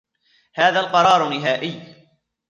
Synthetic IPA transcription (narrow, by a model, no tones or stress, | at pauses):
haːðaːlqɑɾˤɑːɾˤʊnːɪɦaːʔɪjː